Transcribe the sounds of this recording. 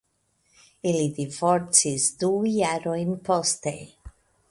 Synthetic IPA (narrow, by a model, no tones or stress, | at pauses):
ilid̪ivoɾt̪sisd̪ujaɾojnpost̪ḛ